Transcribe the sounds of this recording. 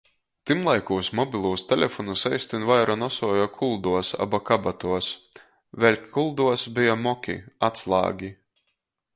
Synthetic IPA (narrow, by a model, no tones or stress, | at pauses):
t̪imlˠajkuːsmɔbʲilˠuːst̪ʲɛlʲefɔnusɛjst̪invajɾanɔsuɔjɔkʰulˠd̪uɔsa̰bakabat̪uɔs | vɛlʲkkʰulˠd̪uɔsbijamɔkʲḭat̪slˠɑ̰ːɡʲi